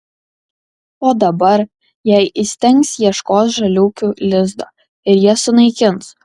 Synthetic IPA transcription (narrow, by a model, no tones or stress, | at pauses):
oːd̪ɐbɐɾ | jɛɪʔɪsʲt̪ʲɛŋksjiɛʃkoːsʒɐlʲuːkʲuːlʲɪzd̪oː | ɪɾjiɛsʊnɐɪkʲɪns